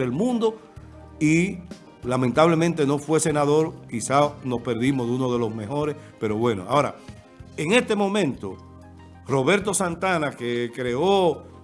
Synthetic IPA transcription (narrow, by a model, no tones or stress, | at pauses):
elmũnd̪o̞ | i | lamẽnt̪aβle̞mẽnt̪eno̞fwe̞se̞naðo̞ɾkisano̞spe̞ɾðimoðunoð̞e̞lo̞zme̞ho̞ɾes | pe̞ɾo̞βwe̞no̞̰a̰oɾa̰ | eŋe̞st̪e̞mõ̞mẽ̞nt̪o̞̰ | ro̞βe̞ɾt̪o̞sant̪anakekɾe̞o